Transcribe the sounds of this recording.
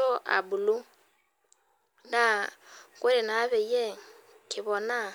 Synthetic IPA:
o˦ʔa̰˨bu˨lu˦ | na˨ke˦ɾi˨na˨˦βe˨je˦ | kʰi˨βɔ˨na˦

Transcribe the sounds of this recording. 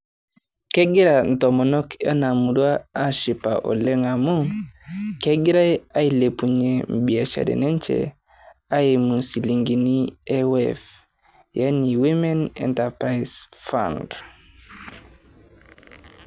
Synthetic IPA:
ke˦ɡi˦ɾa˨n̩˨to˨mɔ˨nɔ˦kʰḛ˦na˨mu˨du˦a˦a˦ʃi˨pa̰˨ʔo̰˨le˦ŋa˨mu˦ | ke˦ɡi˦ɾa˦ja˦i˨le˨pu˨ɲe˨m̩˨bi˨a˨t͡ʃa̰˨dḛ˨ne˦nt͡ʃḛ˨ | a˦je˨mu˨nsi˨li˨ŋɡi˨ni˦e˦wḛf | ja˦ni˨wi˦me˦nɛ̰˨nta˨pɾa˨isfa̰nd

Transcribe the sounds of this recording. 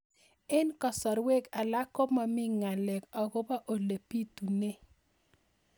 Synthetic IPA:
ɪ˦nkɔ˨sɔ˨ɾwe˦ka˨la˦kɔ˦ma˨mɪ˦ŋa˨lɛ˨kɔ˨ɡo˦ba˦ʔo˨le˨pi˦tu˨ne˦

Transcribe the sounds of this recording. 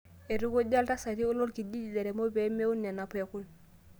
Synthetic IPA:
e˨ɾu˦ko˦ɟa˦lta˦sa˨ɾi˦u˦lo˦lki˨di˦d͡ʒi˨de˨ɾɛ˨mo˦be˨˦me˦u˦nɛ˨na˨pɛ˨ku˦l

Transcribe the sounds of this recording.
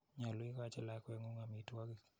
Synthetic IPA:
ɲa˨lwi˦ka˦t͡ʃɛ˨lakwɛ˦ŋu˦ŋami˨twa˦ki˨

